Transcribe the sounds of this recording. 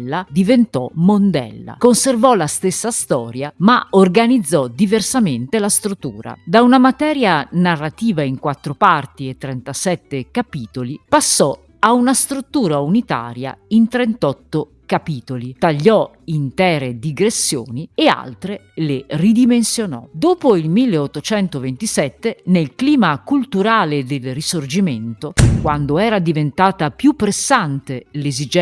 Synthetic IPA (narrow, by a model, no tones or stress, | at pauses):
ad̪ivent̪ɔmond̪ɛ̰lːa̰konservɔlast̪esːast̪ɔːɾjamaorɡanid̪zːɔd̪iversament̪elast̪ɾut̪ːuːɾa̰d̪aunamat̪ɛːɾjanarːat̪iːvaiŋkwat̪ːɾopart̪iet̪ːɾɛnt̪asɛt̪ːekapiːt̪olipasːɔ | aunast̪ɾut̪ːuːɾaunit̪a̰ːɾja̰int̪ɾɛnt̪ɔt̪ːo | kapiːt̪olit̪aʎːɔ | int̪ɛːɾed̪iɡɾesːjo̰ːniea̰lt̪ɾe | lerid̪imensjonɔ̰d̪oːpoilmilːeot̪ːot͡ʃɛnt̪ovent̪isɛt̪ːenelkliːmakult̪uɾaːled̪elrisord͡ʒiment̪okwand̪oɛːɾad̪ivent̪aːt̪apjupːɾesːant̪elezid͡ʒ